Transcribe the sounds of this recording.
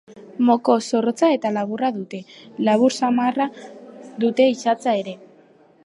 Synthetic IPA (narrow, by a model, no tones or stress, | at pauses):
mo̞ko̞so̞rot͡sae̞t̪alaβuraðut̪e̞laβuɾsamarad̪ut̪e̞isat͡sae̞ɾe̞